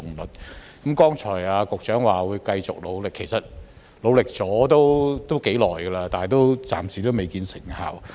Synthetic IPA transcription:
ʊ˨ŋlɵ˨˩t̚kɐ˨˦mkɔː˥ŋt͡ʃʰɔː˨˩jaː˧kʊ˨k̚t͡ʃœː˨˥ŋwaː˨wuː˨˧jkɐ˧jt͡sʊ˨k̚lo˨˧wlɪ˨kʰːe˨˩jsɐ˨t̚ | lo˨˧wlɪ˨k̚t͡sɔː˨˥t̪o˥wt̪o˥wke˨˥jlɔː˨jɡə˧laː˧t̪aː˨ɛ˨jt̪o˥wt͡sa̰ː˨msiː˨˩t̪o˥wme˨jkiː˧nsɪ˨˩ŋha̰˨˩w

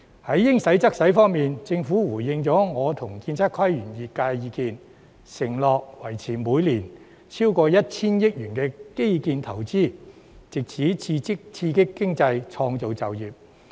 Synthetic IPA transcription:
hɐ˨˥jːɪ˥ŋsɐ˨˥jt͡sɐ˥k̚sɐ˨˥jfɔː˥ŋmiː˨nt͡sɪ˧ŋfuː˨˥wuː˨˩jɪ˨˧ŋt͡sɔː˨˥ŋɔː˨˧t̪ʰʊ˨˩ŋkiː˧nt͡sʰaː˥kʰwɐ˥jjyː˨˩njiː˨˩t̚kaː˧jjiː˨˧kiː˨˧n | sɪ˨˩ŋlɔː˨k̚wɐ˨˩jt͡sʰiː˨˩muː˨˧jliː˨˩n | t͡sʰiː˥wkɔː˧jɐ˥t̚t͡sʰiː˥njɪ˥k̚jyː˨˩nkɛː˧ke˥jkiː˧nt̪ʰɐ˨˩wt͡siː˥˩ | t͡sɪ˨k̚t͡sʰiː˨˥i˧ɪ˥t͡sʰiː˧kɪ˥kːɪ˥ŋt͡sɐ˧jt͡ʃʰɔː˧ŋt͡so˨wt͡sɐ˨wjiː˨p̚

